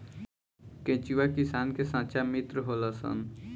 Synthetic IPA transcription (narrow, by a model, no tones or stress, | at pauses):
kẽt͡ʃiʋakisaːnkesãːt͡ʃamit̪ɾəɦoləsə̰n